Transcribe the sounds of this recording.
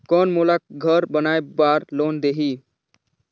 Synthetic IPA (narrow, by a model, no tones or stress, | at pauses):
kɔːnmolak̚ɡʱəɾbənaːjbaːɾloːnd̪eɦiː